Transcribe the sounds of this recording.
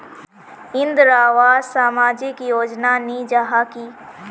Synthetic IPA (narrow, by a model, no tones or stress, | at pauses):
ɪnd̪ɾaːʋaːzsaːmaːd͡ʒɪkjoːd͡ʒnanĩːd͡ʒaɦaːkiː